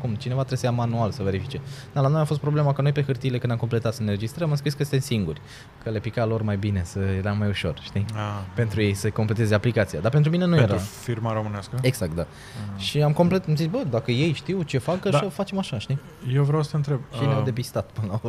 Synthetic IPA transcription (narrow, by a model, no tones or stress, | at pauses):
kumt͡ʃine̞vat̪ɾesəjamanualsəve̞ɾifit͡ʃe̞d̪̥alanojafo̞st̪̚pɾo̞ble̞makəno̞jpexɨrt̪ilekɨnd̪amko̞mple̞t̪at̪səneɾe̞d͡ʒist̪ɾəamɨmskɾiskəst̪ensiŋɡurʲ | kʰəle̞pikalo̞rmajbine̞səje̞ɾamːajuʃo̞̰rʃt̪iape̞nt̪ɾuje̞jsəko̞mple̞t̪ezeaplikat̪sijad̪ape̞nt̪ɾumine̞nujeɾaɾfiɾmaɾo̞mɨneaskəe̞ɡz̥ak̚t̪̚d̪a | ʃiamko̞mple̞t̪amzit̪sʲbəd̪akəje̞jʃt̪iwt͡ʃe̞fakəʃəfat͡ʃe̞maʃaʃt̪i | jewvɾawsəəɨnt̪ɾeb̚ʃeead̪epist̪at̪pɨnəlao